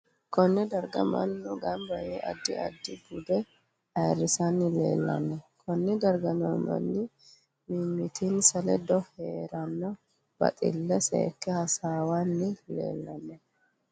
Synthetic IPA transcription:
kʰɔnːɛd̪ɐɾɡɐ̰mɐ̰nːʊɡɐmbɐjɛʔɐ̰d̪ːɪɐ̰d̪ːɪɡʊd̪ɛ | ɐjrːɪsɐnːɪlḛːlːɐ̰nːɛkʰɔnːɛd̪ɐɾɡɐnɔmɐ̰nːɪ | mimːɪt̪insɐlɛd̪ɔheːɾɐnːɔ | b̥ɐ̰t̪ʼɪ̰lːɛsḛːkːɛhɐsaːwanːɪlḛːlːɐnːɛ

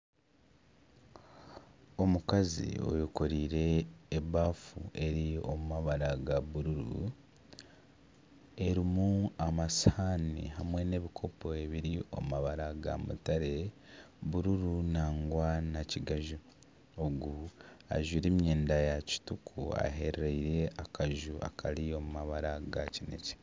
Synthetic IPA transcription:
o̞mukazḭo̞̰jukoɾiːɾe̞ːβaːfṵe̞ɾio̞̰mumaβaɾaɡaβuɾuɾṵ | e̞ɾimuamasanḭɦamwe̞ne̞ːβikʰo̞po̞e̞βiɾio̞̰mumaβaɾaɡa̰mṵtaɾe̞ | βuɾuɾunaːŋɡwanaciɡaʒu | oɡua̰ʒwiɾimjeːndajaci̥tukʰua̰ɦe̞ɾɾeiɾe̞akʰaʒuʔa̰kʰaɾio̞mumaβaɾaɡacine̞̰ce̥

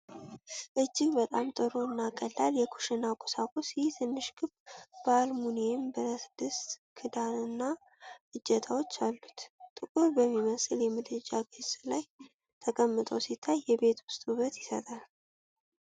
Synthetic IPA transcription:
ʔɨd͡ʒːɪɡbət̪ʼamt̪ʼɨɾoɨnːakʼəlːaljɛkʰu̥ʃɪnakʼo̥sakʼosjɪht̪ʰɨnːɨʃɡɨbbəalmuniembəɾəsd̪ɨst̪kʰɨd̪anɨnːa | ɨd͡ʒːɛt̪ʰawo̞t͡ʃːalːut̪t̪ʼɨkʼuɾbəmːiməsɨljɛmɨd̪ɨd͡ʒaɡʰezlaj | t̪ʰəkʼəmːɨt̪ʼəwsit̪ʰːajːɛbe̞t̪ʰwʊst̪ʼuβət̪jɪsə̰t̪ʼal

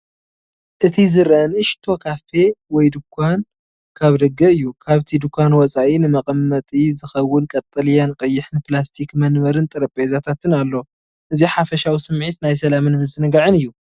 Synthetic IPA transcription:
ʔɨt̪ʰizɨɾʔɐnɨʃt̪ʰo̞kʰafe̞wɔjd̪ɨkʷʰːan | kʰaβd̪ɐɡːɐɨjːukʰaβt̪ʰid̪ukʷːanwɔt͡sʼaʔinɨmɐqʼɐmːɐt̪ʼizɨxɐwːʊnkʼɐt̪ʼːɐljankʼɐjːɪħnɨplast̪ʰikmɐnmɐɾɨnt̪ʼɨɾɐpʼezat̪ʰat̪ʰɨnalːo̞ | ʔɨziħafɐʃawisɨmʕit̪najsɐlamɨnmɨzɨnɡaʕɨnɨjːu

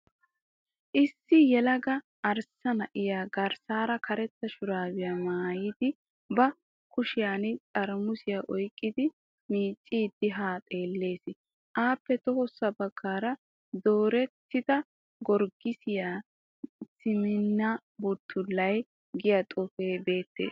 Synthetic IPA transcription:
ʔɪsːɪjɛlɐɡɐ | ʔːɾsɐnɐʔɪjaːɡɐɾsaːɾɐkʰɐɾɛt̪ːɐʃʊɾaːwɪjamaːjɪd̪ɪ | bɐ | kʊʃɪjaːnɪt͡sʼɐɾmʊsɪjaʔɔjkʼːɪd̪ɪ | miːt͡ʃʼːiːd̪ɪɦaːt̪ʼe̞ːlːe̞ːsɪ | ʔaːpːɛt̪ɔhɔsːɐbɐɡ̥ːaːɾɐ | d̪oːɾɛt̪ːɪd̪ɐ | ɡɔɾɡɪsɪjaː | sɪmɪnːɐ | bʊt̪ʰːʊlːɐj | ɡɪjɐt̪ʼʊfeːbe̞ːt̪ːḛːs

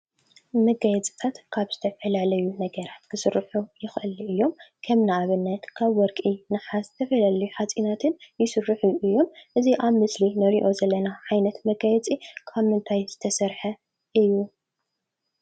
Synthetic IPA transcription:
mɐɡajɛt͡sʼi̥t̪ʰat̪kʰaβz̥ɨt̪ʰɐfɐlalɐjunɐɡɐɾat̪kʰɨsɨɾħujɪxʔɨlɨjːo̞mkʰɐmnaːβɨnːɐt̪kʰaβwɔɾkʼinɨħazɨt̪ʰɐfɐlaljuħat͡sʼinat̪ʰɨnjɪsɨɾːɨħuɨjːo̞mʔɨziʔaβmɨslinɨɾiʔo̞zɐlːɐnaʕajnɐt̪mɐɡajɛt͡sʼikʰaβmɨnt̪ʰajz̥ɨt̪ʰɐsɐɾħɐ | ʔɨjːu

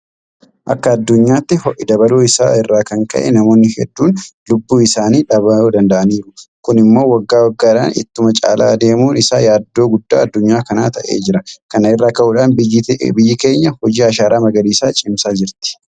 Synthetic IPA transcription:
ʔɐkːɐːd̪ːʊɲːaːt̪ːɪhɔʔɪd̪ɐbɐloːɪsa̰ːɪrːaːkɐŋkɐ̰ʔɛ̰nɐmo̞ːnːɪhɛ̰d̪ːuːnlʊbːuːɪsaːniːᶑɐβɐoːd̪ɐnd̪ɐʔɐniːɾʊkʊnɪmːo̞ːwɐɡːaːwɐɡːaːᶑa̰ːnɪ̰t̪ːʊmɐt͡ʃʼa̰ːla̰ːd̪e̞ːmuːnɪsa̰ːjaːd̪ːo̞ːɡʊd̪ːa̰ːɐd̪ːʊɲːaːkɐnaːt̪ɐʔe̞̰ːd͡ʒɪɾɐkɐnɐɪrːaːkɐʔuːᶑaːnbɪjːɪke̞ːɲːɐhɔd͡ʒiːɐʃaːɾaːmɐɡɐliːsaːt͡ʃʼɪmsaːd͡ʒɪɾt̪ɪ̥

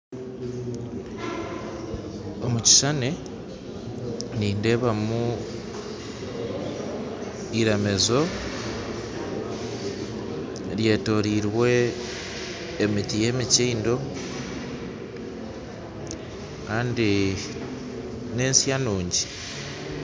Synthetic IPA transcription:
o̞muci̥ʃane | niːnde̞βamu | iɾeme̞zo̞ | ɾje̞to̞ɾiɾwe̞ | mitije̞ːmiciːndo̞ | kaːndi | ne̞ːnsjanuːɲɟi

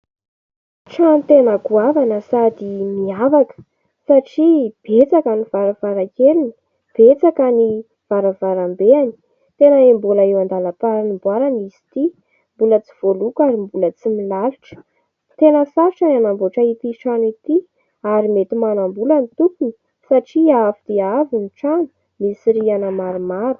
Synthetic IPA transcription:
ʈ͡ʂant̪enəɡuavanəsad̪imiavakə̥ | saʈ͡ʂib̥et͡sakanivaɾavaɾakelini̥ | b̥et͡sakani | v̥aɾavaɾambeani̥ | t̪enəembolaewand̪alapaɾanimbwaɾanisi̥t̪i | mbulət͡si̥v̥olukaɾimbulət͡similaluʈ͡ʂə̥ | t̪enəsaɾiʈ͡ʂananamboʈ͡ʂait̪iʈ͡ʂanit̪i | aɾimet̪imanambulanit̪ut̪uni̥ | saʈ͡ʂiafid̪̥eaviniʈ͡ʂanu̥ | misiɾianəmaɾumaɾu̥

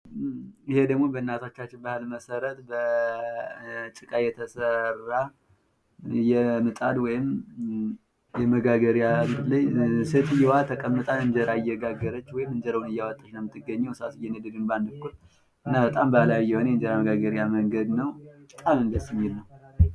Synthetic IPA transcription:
ɪhed̪əɡmo̞bəɨnːat̪ʰat͡ʃːat͡ʃːɪnbahɨlməsəɾət̪bə | t͡ʃʼɨkʼajɛt̪ʰəsərːa | jɛmɨt̪ʼad̪wɔjɪm | jɛməɡaɡəɾijaɡɾlajset̪ʰɨjɛwat̪ʰəkʼəmːɨt̪ʼanɨnd͡ʒəɾaɪjːɛɡaɡːəɾət͡ʃːwɔjɪmːɨnd͡ʒəɾəwunɨjːawat̪ʼːat͡ʃnəwmɨt̪ːɨɡːəɲːawɨsasɨjɛnəd̪ɨɡɨnband̪ɨkːul | ʔɨnːabət̪ʼambəlaβijːɛhonəjɛɨnd͡ʒəɾaməɡaɡəɾjaməŋɡəd̪nəwbət̪ʼamɨnɡ̪əsmːilnəw

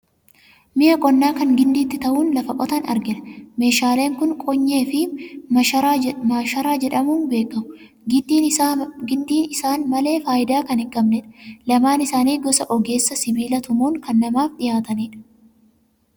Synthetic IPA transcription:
mɪjɐkʼɔnːaːkɐŋɡɪnd̪iːt̪ːɪt̪ɐʔuːnlɐfɐkʼɔt̪ɐnɐ̰ɾɡɪᶑɐme̞ːʃaːle̞ːŋkʊŋkʼɔɲːe̞ːfɪ | amaːʃɐɾaːd͡ʒɛᶑɐmuːnbe̞ːkːɐmʊ | ɡɪd̪iːɡɪnd̪iːnɪsaːnmɐle̞ːfaːjɪd̪aːkɐnɪkʼːɐmnɛᶑɐ̥lɐmaːnɪsaːniːɡɔsɐʔɔɡe̞ːsːɐsɪbiːlɐt̪ʊmuːŋkɐnːɐmaːfᶑɪjaːt̪ɐniːᶑɐ̥

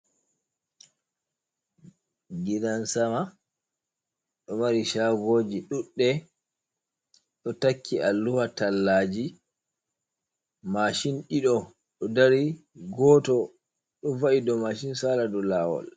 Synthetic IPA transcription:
ɡiɗansama | ɗɔmaɾiʃaɡoːd͡ʒiɗuɗːɛ | ɗɔtakʰːiʔalːuwatalːaːd͡ʒi | maʃinɗiɗɔ | ɗɔdaɾi | ɡɔːtɔ | ɗɔvaʔidɔmaʃinsaːladɔlaːwɔ̰l

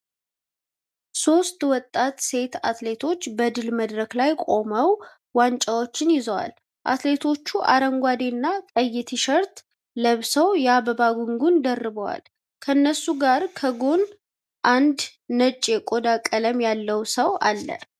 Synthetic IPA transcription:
so̞st̪wɔt̪ʼːat̪se̞t̪at̪le̞t̪ʰo̞t͡ʃːbəd̪ɨlməd̪ɾəklajkʼo̞məw | want͡ʃʼawo̞t͡ʃːɪnjɪzəwa̰l | ʔa̰t̪le̞t̪ʰo̞t͡ʃːuʔa̰ɾəŋɡʷad̪enːakʼəjːɪt̪ʰiʃəɾt̪ | ləβsəwjaβəβaɡuŋɡund̪ərːɨβəwa̰l | kʰənːəsːuɡaɾkʰəɡon | ʔand̪nət͡ʃʼekʼo̞d̪akʼːələmjalːəwsəwʔa̰lːə̰

